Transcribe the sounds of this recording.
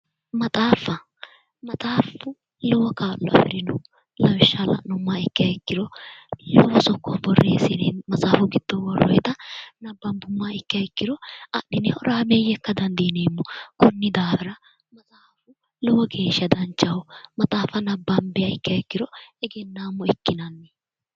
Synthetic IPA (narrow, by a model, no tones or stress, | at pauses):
mɐt̪ʼaːfɐ | mɐt̪ʼaːfʊ | lɔwɔkaːlːɔɐ̰fɛ̰ɾɪnɔ | lɐwɪʃːalɐ̰nʊmːaːɪkːɪjɐɪkːɪɾɔlɔwɐsɔkːɔbɔrːḛːsɪnemɐsʼaːfʊɡɪd̪̥ːɔwɔɾɔ̰jt̪ɐnɐbːɐnbʊmːaːɪkːɪjɐkːɪdɔɐ̰ɗɪnɛʔɔɾaːmejɛkːɐd̪ɐnd̪iːneːmːɔkɔnːɪd̪aːbɛɾɐ | mɐzaːfʊ | lɔwɔɡe̞ːʃɐd̪ɐnt͡ʃːɐwɔmɐt̪ʼaːfɐnɐbːɐmbɛjɐɪkːɪjɐɪkːɪɾɔɛɡɛnːaːmːɔɪkːɪnɐnːɛ